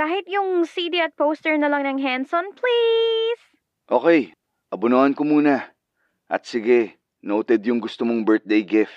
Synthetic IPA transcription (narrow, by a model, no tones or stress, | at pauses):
kaːhɪt̪jʊŋsid̪iɐt̪̚powst̪ɛɹnɐlɐŋnɐŋɦansonplis | ʔo̞ːkɛj | ʔɐbʊnohɐnkomuːnɐ | ʔɐ̰t̪̚sɪɡɛ | not̪ɛd̪jʊŋɡʊst̪omoŋbɛɹt̪̚d̪ejɡɪft̪̚